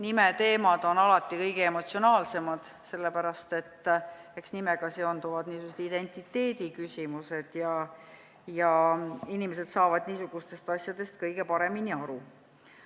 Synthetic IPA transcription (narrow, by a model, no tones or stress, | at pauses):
nime̞t̪e̞ːmɑd̪̥o̞nɑlɑt̪ːˑikɤjɡ̥e̞emo̞t̪sio̞nɑːlse̞mɑd̪̥se̞lːepæɾɑst̪e̞t̪ːe̞ksnimeɡ̥ɑseond̪uvɑd̪niːsuɡuset̪id̪̥e̞nʲt̪ˑit̪ːe̞ːd̪̥ikysʲimuse̞d̪̥jɑ | jɑinimese̞d̪sɑːvɑd̪̥niːsuɡ̥ust̪e̞st̪ɑsʲjɑd̪e̞st̪kɤjɡ̥e̞pɑɾe̞miniɑɾu